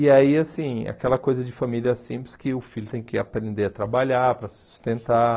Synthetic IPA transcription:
ɪaiasĩa̰kɛlɐkojzɐd͡ʒɪfamiliɐɛsĩplɪskɪʊfilʊt̪ẽj̃kɪapɾẽnd̪eɐt̪ɾabaʎaɾpɾɐsɪ̥su̥st̪ẽnt̪a

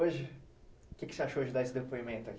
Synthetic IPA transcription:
oʒɪ | kɪkɪ̥seaʃooʒd͡ʒɪd̪aesɪd̪epoimẽnt̪ʊɐk

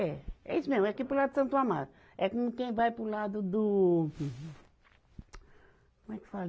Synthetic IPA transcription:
ɛɛ̰isʊmezmɛakipɾʊlad̪d̪ʊsɐ̃nt̪uamad̪ʊ | ɛkõmʊkẽj̃vajpɾʊlad̪ʊd̪ʊ̃ | kõmɛkɪ̥fal

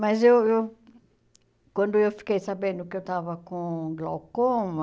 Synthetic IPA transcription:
mɐzewew | kwɐ̃nd̪ʊewfi̥kejsabẽnd̪ʊkɪewt̪avɐkõɡlokõmɐ

